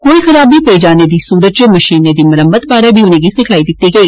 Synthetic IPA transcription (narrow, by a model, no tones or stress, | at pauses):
koːixɐɾaːbʱipɐid͡ʒaːned̪isuːɾət̪t͡ʃomɐʃiːnːed̪imɐɾəmːəd̪baːɾabʱiʊnẽɡisɪkʰaːid̪ɪt̪ːiɡɐiː